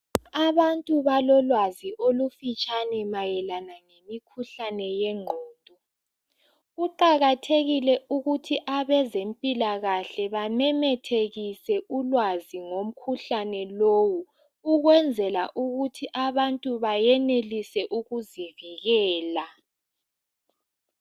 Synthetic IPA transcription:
aβantʼuβalɔlwaziʔolufit͡ʃʼanɛmajɛlanaŋemikʰuɬanɛjɛŋ͡ǃʱɔːdʱʼɔ | uǃaɣatʰeɣilɛʔuɣutʰiʔaβɛzempʼilaɣaɬɛβamɛmɛtʰeɣisɛʔulwaziŋom̩kʰuɬanɛlowu | uɣwɛnd͡zʱɛlaʔuɣutʰiʔaβantʼuβajɛnelisɛʔuɣuziviɣɛːla

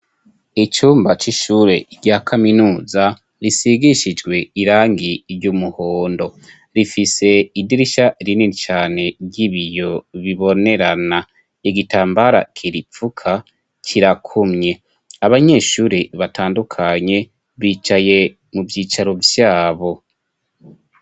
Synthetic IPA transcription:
it͡ʃuːmbat͡ʃiʃuːɾe̞ɾɟaːkʰaminuːza | ɾisiɡiʃid͡ʒɡwe̞iɾaːŋɡiɾjumuhoːndo̞ | ɾifise̞idiɾiʃaɾininit͡ʃaːne̞ɾɟiβijo̞βiβo̞ne̞ɾana | iɡitaːmbaɾa̰kʰiɾipp͡fukʰa | kʰiɾakʰumɲe̞ | aβaɲe̞ːʃuːɾiβataːndukʰaɲe̞ | βiːt͡ʃaje̞ | muvjiːt͡ʃaɾo̞vjaːβo̞

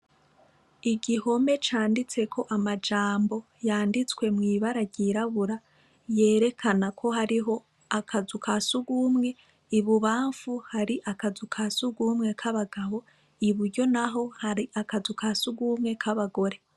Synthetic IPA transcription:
iɡiho̞me̞t͡ʃaːndit͡se̞kʰo̞ʔamad͡ʒaːmbo̞ | jaːndit͡swe̞mŋiːβaɾaɟiɾaβuɾa | je̞ːɾe̞kʰanakʰo̞ɦaɾiɦo̞ | akʰazukʰasuɡumŋe̞ | iβuβaːɱfuhaɾiʔakazukʰasuɡumŋe̞kʰaβaɡaβo̞ | iβuɾɟo̞naɦo̞haɾiʔakazukʰasuɡumŋe̞kʰaβaɡo̞ɾe̞

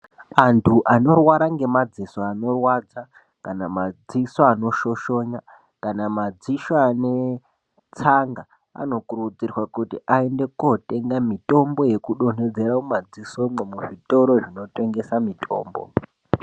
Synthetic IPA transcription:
antʰuʔano̞rwaɾaŋɡe̞mad͡zisoano̞rwad͡za | kanamad͡zisoanoʃo̞ʃo̞ɲa | kanamad͡ziʃoane̞ | t͡saŋɡa | a̰no̞kuɾud͡zirwakutiʔaende̞kote̞ŋɡamito̞mbo̞je̞kuɗo̞n̤e̞d͡zeɾaumad͡ziso̞memuʐito̞ɾo̞ʐino̞te̞ŋɡe̞samitʼʰo̞̰ːmbo̞̰

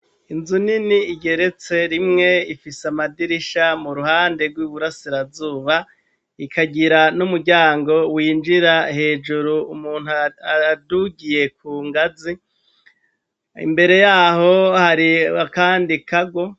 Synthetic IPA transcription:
inzuniniːɟe̞ɾe̞t͡se̞ɾimŋe̞ifisamadiɾiʃamuɾuɦaːnde̞ɡwiβuɾasiɾavzuːβa | ikʰaɟiɾanumuɟaːŋɡo̞wiːnd͡ʒiɾahe̞ːd͡ʒuɾuumuːn̥huaaduɡije̞kuːŋɡazi | ḭmbe̞ɾe̞jaːho̞haɾiakaːndikaɡwo̞

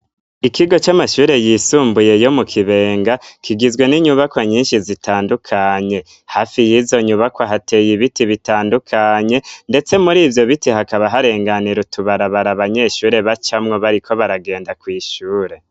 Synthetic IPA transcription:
ikiɡo̞t͡ʃamaʃuːɾe̞jisuːmbuje̞jo̞mukʰiβe̞ːŋɡakʰiɡizɡwe̞niɲuβakwaɲiːnʃizitʰaːndukʰaɲe̞ | hafijiːzo̞ɲuβakwaɦate̞jiβitiβitaːndukʰaɲe̞nde̞t͡se̞muɾiːvjo̞βitihakaβaɦaɾe̞ːŋɡaniɾutuβaɾaβaɾaβaɲe̞ʃuːɾe̞βat͡ʃamŋo̞βaɾikʰo̞βaɾaɡe̞ːndakwiːʃuːɾe̞

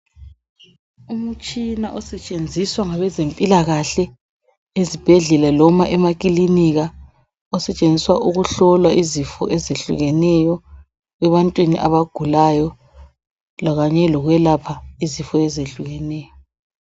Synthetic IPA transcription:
umut͡ʃʼinaʔɔsɛt͡ʃʼend͡zʱiswaŋaβɛzempʼilaɣaɬɛ | ezib̥ʱɛɮɛlalɔmaʔɛmak̬ʼiliniɣa | ɔsɛt͡ʃʼend͡zʱiswaʔuɣuɬɔlwaizifɔ̰ʔɛzeɬṵɣɛnɛjɔ | ɛβantʼwiniʔaβaɡ̥ʱulajɔ | laɣaɲɛlɔɣwɛlapʰaizifɔɛzeɬuɣɛnɛːjɔ

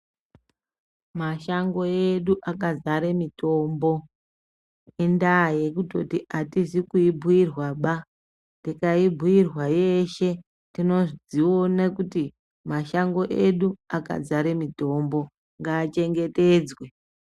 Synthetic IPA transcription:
maʃaŋɡo̞eɗuʔakad͡zaɾemito̞mbo̞ | endaje̞kuto̞̰tiʔatisikuibʱuirwaɓa | tikaibʱuirwaje̞ʃe̞ | tino̞ʐd͡zionakuti | maʃaŋɡo̞ʔe̞ɗuaka̰d͡zaɾemito̞mbo̞ | ŋɡaːt͡ʃe̞ŋɡe̞te̞ːd͡zwe

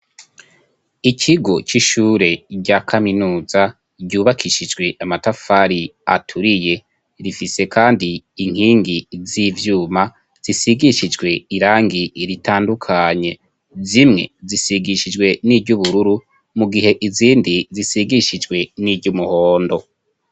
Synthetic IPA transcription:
icʰiɡo̞t͡ʃiʃuːɾe̞ɟakʰaminuːza | ɟuːβakʰiʃid͡ʒɡwe̞ʔamatafaɾia̰tʰuɾije̞ | ɾifise̞kʰaːndiːŋ̥hiːŋɡizivjuːma | z̥isiɡiʃid͡ʒɡwe̞iɾaːŋɡiɾitʰaːndukʰaɲe̞ | zimŋe̞̰zisiɡiʃid͡ʒɡwe̞niːɟuβuɾuɾu | muɡihe̞ʔiziːndizisiɡiʃid͡ʒɡwe̞niːɟumuho̞ːndo̞

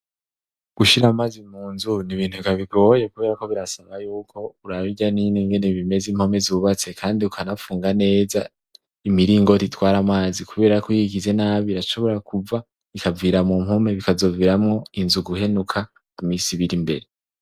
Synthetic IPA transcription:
ɡ̥uʃiɾamazimuːnzuniβiːn̥huikaβiɡo̞jekuβe̞ːɾako̞βiɾasaβajuːkʰo̞uɾaβiɟanineŋɡe̞neβime̞zimho̞me̞zuuβat͡se̞kʰaːndiukʰanafuːŋɡane̞ːza | imiɾiːŋɡo̞titwaːɾamaːzikuβe̞ːɾakwiɡize̞naːβiɾaʃo̞βo̞ɾakʰuva | ikʰaviːɾamumho̞me̞βikazo̞viːɾamŋo̞inzuɡuɦe̞nukʰa | kumiːsiβiɾimbe̞̰ɾe

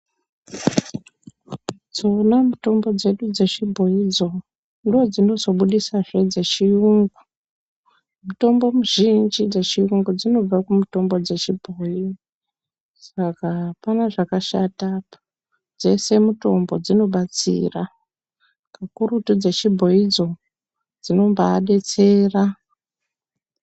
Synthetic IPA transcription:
d͡zo̞namuto̞mbo̞d͡ze̞ɗud͡ze̞t͡ʃibʱo̞id͡zo̞ | ndiod͡zino̞zo̞ɓuɗisaʐed͡ze̞t͡ʃijuŋɡu | muto̞mbo̞muʒind͡ʒid͡zet͡ʃijuŋɡud͡zino̞b͡vakumuto̞mbo̞d͡ze̞t͡ʃibʱoːji | sakapanaʐakaʃata | d͡ze̞se̞muto̞mbo̞d͡zino̞ɓat͡sḭːra | kakuɾutud͡zet͡ʃibʱo̞jid͡zo̞ | d͡zino̞mbaːɗe̞t͡se̞ːra

